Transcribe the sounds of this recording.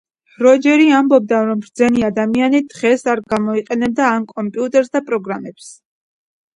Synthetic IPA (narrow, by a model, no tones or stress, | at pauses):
ɾɔd͡ʒɛɾiambɔb̚d̪aɾɔmɾd̪zɛniad̪amianid̪ʁɛsaɾɡamɔiqʼɛnɛb̚d̪aːmkʼɔmpʼiut̪ʼɛɾsd̪apʼɾɔɡɾamɛps